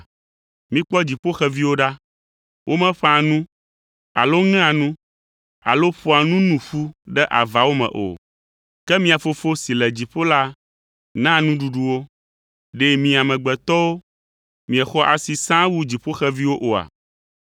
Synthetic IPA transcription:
mĩ˦k͡pɔ˦d͡ʑi˨ɸo˦xɛ˦vi˦wo˦ɖa˦ | wʔo˦mɛ̃˦ɸã˦nũ˦ | a̰˨lo˦ŋɛ̃˦ã˨nũ˦ | a̰˨lo˦ɸo˦a˨nũ˦nũ˨ɸu˦ɖɛ˦ʔa˨va˨wo˦mɛ̰̃˨ʔo̰˨ | kɛ˦mĩ˦a˨fo˨fo˦si˨lɛ˨d͡ʑi˨ɸo˦la˦ | nã˦nũ˦ɖu˨ɖu˨wo˦ | ɖe˦mĩ˨a˨mɛ̃˨ɡ͡bɛ˨t̪ɔ˦wo˦ | mĩ˨ɛ˨xɔ˦ʔa˨si˨sã˦wu˦d͡ʑi˨ɸo˦xɛ˦vi˦wo˦ʔo˨a̰˨

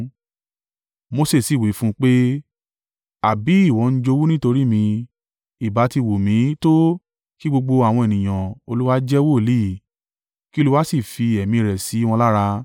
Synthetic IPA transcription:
mo˧se˦˨si˨wi˨˦fũ˦k͡pe˦ | a˨bi˨˦i˦˨wɔ̃˨˦n̩˦d͡ʒo˧wu˦nĩ˦to˧ɾi˦mĩ˧ | i˨ba˨˦ti˧˨wo˨mĩ˨˦to˦ | ki˦ɡ͡bo˧ɡ͡bo˧a˨w̃ɔ̃˧e˨nĩ˨j̃ã˨o˧lu˦wa˦d͡ʒɛ˦wo˦˨li˦˨ | ki˦o˦lu˦wa˦si˦˨fi˧ɛ˨mĩ˧˨ɾɛ˨si˨˦w̃ɔ̃˧la˦ɾa˧

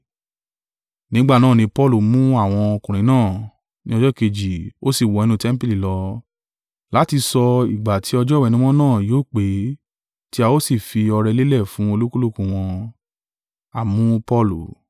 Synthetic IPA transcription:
nĩ˦ɡ͡ba˦˨nãː˦˨nĩ˧pɔ˦lu˨mũ˦a˦˨w̃ɔ̃˧o˧kũ˨ɾ̃ĩ˨˦nãː˦˨ | nĩ˧˦ɔ˧d͡ʒɔ˦ke˧d͡ʒi˨o˦si˦˨wɔ˧ɛ˧nũ˧tɛ̃˦m̩˦pi˦li˨lɔ˧ | la˨˦ti˧sɔ˧i˨ɡ͡ba˨tʰi˨˦ɔ˧d͡ʒɔ˦wɛ˧nũ˦w̃ɔ̃˦nãː˦˨joː˦˨k͡pe˨˦ | ti˦a˧wo˦si˦˨fi˧ɔ˧ɾɛ˧le˦lɛ˦˨fũ˦o˧lu˦ku˦lu˦˨kũ˧w̃ɔ̃˧ | a˨mũ˦pɔ˦lu˨

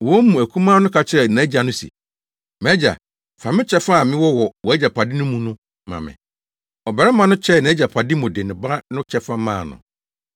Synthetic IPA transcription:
wɔ˦mũ˨æ˨kʰũ˦mãː˦nʊ̃˦kʰa˨t͡ɕʰɪ˦ɾɛ˨nã˨˦d͡ʑa˨nʊ̃˦sḭ˨ | m̃˨æ˦d͡ʑa̰˨ | fã˨mɪ̃˦t͡ɕʰɛ˦fa˦˨mɪ̃˦wɔ˦wɔ˨wɔ˨æ˦d͡ʑa˨pʰa˨dɪ˦nʊ̃˦mũ˨nʊ̃˦ | mã̰˨mɪ̰̃˨ | ɔ˨bɛ˨ɾɛ˦mã˨nʊ̃˦t͡ɕʰɛ˦˨nã˨˦d͡ʑa˨pʰa˨dɪ˦mʊ̃˨dɪ˨nɪ̃˨ba˦nʊ̃˦t͡ɕʰɛ˦fã˦mã̰ː˦˨nʊ̰̃˨

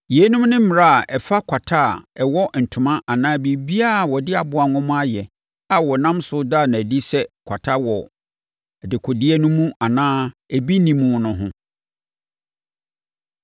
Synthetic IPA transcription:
je˨˦nũ˦mnɪ̃˦m̩˦mɪ˨ɾa˦a˨ʔɛ˨fa˦kʷʰa˨tʰa˦˨ɛ˨wɔ˦n̩˨tʰʊ̃˨mã˦ʔa˨nãː˦bi˨bi˦a˦˨wɔ˨dɪ˦a˨bʊ˨a˨nʊ̃˦mʊ̃˦a˦jɛ˨ | a˨wɔ˨nã˦msʊ˦da˦˨nã˨æ˨di˦sɛ˦kʷʰa˨tʰa˦wɔ˨ | ɛ˨dɪ˨kʰʊ˨dɪ˦ɛ˦nʊ̃˦mũ˦ʔa˨nãː˦æ˨bi˦nĩ˦mũ˨nʊ̃˦ɦʊ̃˦

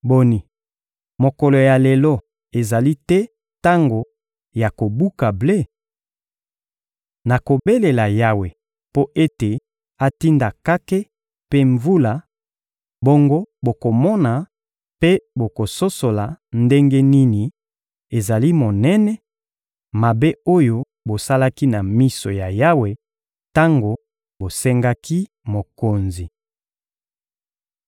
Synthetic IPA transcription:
bo˨ni˨ | mo˨ko˨lo˨ja˨lɛ˨lɔ˦ | e˨za˨li˦tɛ˦ | ta˦ŋɡo˨ | ja˨ko˨bu˦ka˨ble˦ | na˨ko˨be˦le˨la˨ja˦we˨ | po˦ʔe˦te˨ | a˨ti˦nda˨ka˦ke˦ | pe˦ɱvu˦la˨ | bo˦ŋɡo˦bo˨ko˨mɔ˦na˨ | pe˦bo˨ko˨so˦so˨la˨nde˦ŋɡe˦ni˦ni˨ | e˨za˨li˦mo˨nɛ˦nɛ˦ | ma˨be˦o˦jo˦ | bo˨sa˦la˦ki˦na˨mi˦so̰˨ja˨ja˦we˨ | ta˦ŋɡo˨ | bo˨sɛ˦ŋɡa˦ki˦ | mo˨ko˨nzi˨

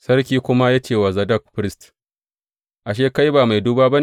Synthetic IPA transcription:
sɐ˦rkʲiː˦kʷʊ˦ma˦jaː˦t͡ʃeː˦˨wa˨zɐ˨dɐ˦k̚ɸɾɪ˦st | ʔa˨ʃ̬eː˦ka˦jbaː˨ma˨jduː˦baː˦ba˦n˨

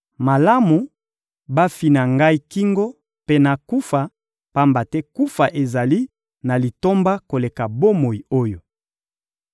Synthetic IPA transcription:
ma˨la˦mu˨ | ba˦fi˨na˨ŋɡa˦i˦ki˦ŋɡo˦ | pe˦na˨ku˦fa˨ | pa˦mba˨tɛ˦ku˦fa˨ʔe˨za˨li˦ | na˨li˨to˦mba˦ko˨le˨ka˨bo˦mo˨i˨o˦jo˨

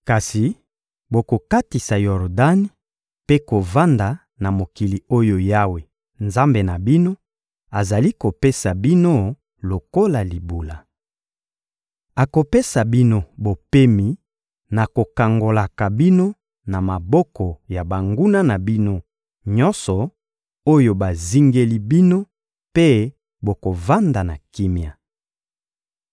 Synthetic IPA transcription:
ka˨si˨ | bo˨ko˨ka˦ti˨sa˨jɔ˨ʁda˦ni˦ | pe˦ko˨va˦nda˨ | na˨mo˨ki˨li˨o˦jo˦ja˦we˨ | nza˦mbe˨na˨bi˦no˦ | a˨za˨li˦ko˨pe˦sa˨bi˦no˦ | lo˨ko˦la˨li˨bu˨la˨ | a˨ko˨pe˦sa˨bi˦no˦bo˨pe˦mi˨ | na˨ko˨ka˨ŋɡo˨la˨ka˨bi˦no˦ | na˨ma˨bɔ˦kɔ˨ja˨ba˨ŋɡu˦na˦na˨bi˦no˦ | ɲɔ˦nsɔ˨ | o˦jo˦ba˨zi˦ŋɡe˦li˦bi˦no˦ | pe˦ | bo˨ko˨va˦nda˨na˨ki˦mja˨

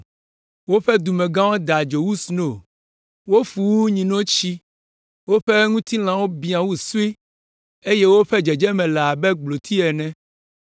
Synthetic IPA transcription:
wo˦ɸɛ˦d̪u˨mɛ̃˨ɡã˦wo˦d̪a˨d͡ʒo˨wu˦sno˨ | wo˦fu˨wu˦ɲĩ˨nɔ̃˦t͡ɕi˦ | wo˦ɸɛ˦ŋũ˦t̪i˦l̃ã˨wo˦bi˦ã˨wu˦su˦i˦ | e˦jɛ˦wo˦ɸɛ˦d͡ʒɛ˨d͡ʒɛ˦mɛ̃˨lɛ˨a˨bɛ˦ɡ͡blo˨t̪ʰi˦ɛ˨nɛ̃˦

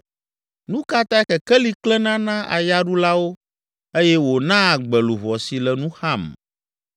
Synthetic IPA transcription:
nũ˦ka˦t̪a˦ɛ˦xɛ˨kɛ˦li˦klɛ˦nã˦nã˦ʔa̰˨ja˦ɖu˦la˦wo˦ | e˦jɛ˦wo˨nã˦˨ɡ͡bɛ˨lu˨vɔ˨si˨lɛ˨nũ˦xa˦˨m

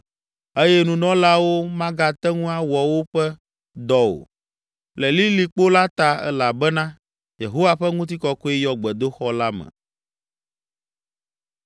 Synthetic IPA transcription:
e˦jɛ˦nũ˨nɔ̃˦la˦wo˦mã˦ɡa˨t̪ɛ˦ŋũ˦a˦wɔ˨wo˦ɸɛ˦ | d̪ɔ˨wo̰˨ | lɛ˨li˦li˨k͡po˦la˦t̪a˨ɛ̰˦la˨bɛ˦nã˦ | je˨ɦo˦wa˦ɸɛ˦ŋũ˦t̪̬i˦kɔ˦kɔ˦i˦jɔ˨ɡ͡bɛ˨d̪o˦xɔ˦la˦mɛ̰̃˨

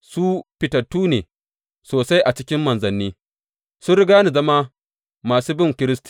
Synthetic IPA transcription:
su˦ɸɪ˨tɐ˨tːuː˦neː˨ | soː˨sa˦jʔa˨t͡ʃɪ˦kʲɪ˦mːɐ˨nzɐ˨nːiː˦ | sʊ˦nɾɪ˦ɡaː˦ni˨zɐ˦ma˦ | maː˨suː˦bɪ˦ŋkʲɪ˦ɾɪ˦sti̥˨

